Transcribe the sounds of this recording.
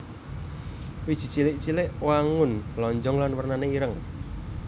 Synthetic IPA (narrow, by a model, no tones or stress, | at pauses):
wi̥ʒ̥i̤t͡ʃilɪʔt͡ʃilɪʔwaŋʊnlɔɲd͡ʒɔŋlanwərnaneiɾəŋ